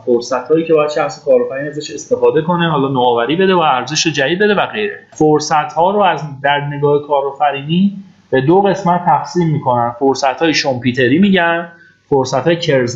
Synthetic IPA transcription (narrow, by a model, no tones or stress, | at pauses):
foɾsæt̪hɒːjiːcʰeɒːjæd̪ʃæxse̥kʰɒːɾofæɾiːnæzæʃe̞st̪e̞fɒːd̪e̞ko̞ne̞ɦɒːlɒːnoːvæɾiːbe̞d̪evææɾze̞ʃɾod͡ʒæd̪iːd̪̚be̞d̪e̞væɣe̞jɾḛfoɾsæt̪ʰhɒːɾoæzd̪æɾne̞ɡɒːhe̞kʰɒːɾofæɾiːniː | b̥e̞d̪oɣe̞smæt̪ʰːæxsiːmːiːkʰo̞nænfoɾsæt̪hɒːjeʃʰompʰuːt̪ʰe̞ɾiːmiːɟæn | foɾsæt̪hɒːjecʰeɾz